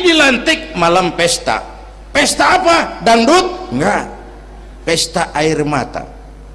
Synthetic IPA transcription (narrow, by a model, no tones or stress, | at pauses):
d͡ʒilant̪ik̚malampɛst̪a̰ | pɛst̪aːpadaŋdut̪̚ŋɡa | pɛst̪aʔairma̰t̪a̰